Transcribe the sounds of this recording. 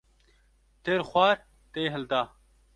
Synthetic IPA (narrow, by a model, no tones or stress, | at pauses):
t̪eːɾxwaːɾ | t̪eːɦɐlt̪aː